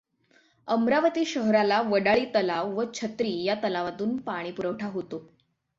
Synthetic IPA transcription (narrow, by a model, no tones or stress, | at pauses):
əmɾaʋət̪iːɕəɦɾalaʋəɽaɭiːt̪əlaʋʋət͡ɕʰət̪ɾiːjat̪əlaʋat̪uːnpaɽ̃iːpuɾəʋʈʰaɦot̪o